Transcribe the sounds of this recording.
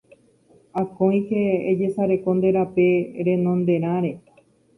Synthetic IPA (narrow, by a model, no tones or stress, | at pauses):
akõj̃heːd͡ʒe̞saɾe̞ko̞nd̪e̞ɾape̞ɾẽ̞nõ̞nd̪e̞ɾ̃ãɾe̞